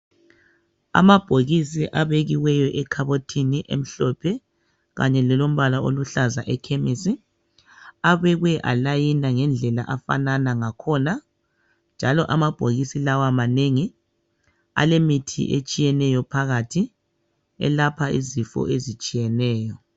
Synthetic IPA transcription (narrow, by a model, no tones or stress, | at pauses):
a̰mab̥ʱoɣisiʔaβeɣiwɛjɔʔɛkʰaβotʰiniʔem̩ɬɔpʰɛ | ɣa̰ɲɛlɛlom̩βalaoluɬazaʔɛkʰemisi | aβɛɣwɛʔa̰lajinaŋɛnd͡ɮʱɛla̰ʔafa̰nanaŋakʰɔna | nd͡ʒʱalɔʔamab̥ʱoɣisilawamaneŋi | a̰lemitʰḭʔḛt͡ʃʼijɛnɛjɔpʰaɣatʰi | ɛ̰lapʰaḭzifɔ̰ʔezit͡ʃʼijɛnɛːjɔ